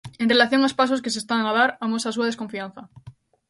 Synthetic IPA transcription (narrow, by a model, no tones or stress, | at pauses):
e̞nre̞laθjo̞ŋaospas̬o̞s̬ke̞s̬est̪anaðaɾamosasuaðeko̞ɱfian̟θa